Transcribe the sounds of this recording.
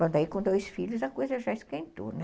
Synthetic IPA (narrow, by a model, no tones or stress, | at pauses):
ɐ̃d̪aikõd̪ojsfiʎʊzɐkojzɐʒaɪskẽnt̪o̰nɛ